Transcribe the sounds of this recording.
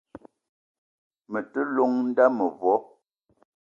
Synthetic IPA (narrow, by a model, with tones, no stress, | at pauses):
mə˨tə˦lɔ˦ŋn̩˦da˦mə˨vɔ˨˦